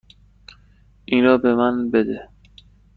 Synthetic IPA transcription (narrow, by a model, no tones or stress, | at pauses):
inɾɒːbemænbed̪e